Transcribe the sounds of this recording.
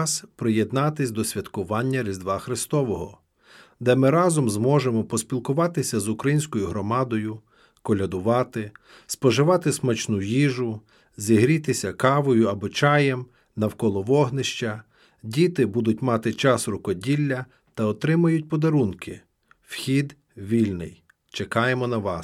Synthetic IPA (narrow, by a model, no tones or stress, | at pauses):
spɾɪjed̪nɑt̪ɪsʲd̪ɔsʲʋʲɐt̪kʊʋɑnʲːɐɾʲizd̪ʋɑxɾɪst̪ɔʋɔɦɔ̰ | d̪ɛmɪɾɑzɔmzmɔʒemɔpɔsʲpʲilˠkʊʋɑt̪ɪsʲɐzʊkɾɐjinʲsʲkɔjʊɦɾɔmɑd̪ɔjʊ | kɔlʲɐd̪ʊʋɑt̪ɪ | spɔʒɪʋɑt̪ɪsmɔt͡ʃnujiʒʊ | zʲiɦɾʲit̪ɪsʲɐkɑʋɔjʊɐbɔt͡ʃɑjɛm | nɐwkɔlˠɔʋɔɦnɪʃt͡ʃɐ | dʲit̪ɪbud̪ʊt̚ʲmɑt̪ɪt͡ʃɑsrʊkɔdʲilʲːɐ | t̪ɐɔt̪ɾɪmɐjʊt̚ʲpɔd̪ɐɾunkɪ | wxʲid̪ | ʋʲilʲnɪ̰j | t͡ʃekɑjemɔnɐʋɑs